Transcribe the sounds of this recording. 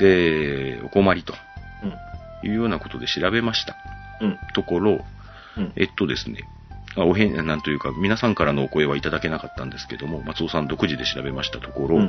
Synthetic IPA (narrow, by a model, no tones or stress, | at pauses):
d̪̥e̞o̞̰ko̞maɾʲit̪o̞̥ | jɯ̟̰ːjo̞ːnako̞̥t̪o̞d̪e̞ɕiɾabe̞maɕi̥t̪ḁ | t̪o̞ko̞ɾo̞ | ḛt̪ːo̞d̪e̞sɨne̞̰ | maoɦẽanãnt̪o̞jɯ̟ːkamʲinasãŋkaɾano̞ːko̞e̞β̞ait̪ad̪ake̞nakat̪ːãnd̪e̞sɨ̥ke̞d̪o̞mo̞mat͡sɨo̞sãnd̪o̞kɯ̟ʑid̪e̞ɕiɾabe̞maɕi̥t̪at̪o̞ko̞ɾo̞